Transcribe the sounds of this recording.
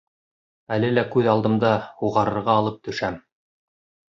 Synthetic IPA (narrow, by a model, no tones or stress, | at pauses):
ælɘlækʉðɑlˠd̪ɤ̆md̪ɑhuʁɑɾɤ̆ɾʁɑːlˠɤp̚t̪ɵ̆ʃæm